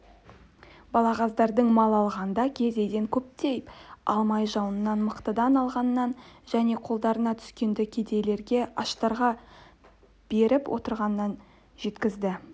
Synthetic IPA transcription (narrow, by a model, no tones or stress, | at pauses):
bɑlˠɑʁɑzd̪ɑɾd̪əɴmɑlˠɑlˠʁɑnd̪ɑkʲʰe̞ze̞d̪e̞ŋkʲʰɵp̚t̪e̞jpɑ̰lˠmɑjʒɑwnənːɑnməqt̪əd̪ɑnɑlˠʁɑnːɑnʒæne̞qʰo̞lˠd̪ɑɾənɑt̪ʰʏ̥skʲe̞nd̪ɪkʲʰe̞d̪e̞le̞ɾɡʲe̞ʔɑʃt̪ɑɾʁɑ | b̥e̞ɾɪpwʔo̰t̪əɾʁɑnːɑn | ʒe̞t̪kʲɪzd̪ɪ